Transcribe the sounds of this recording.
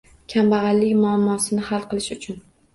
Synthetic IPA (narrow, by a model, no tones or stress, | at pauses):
kʲʰambaʁɑlːɪkʲmʊamːɒsɪnɪhalˠqʰɨlˠɪʃʊt͡ʃʰʊn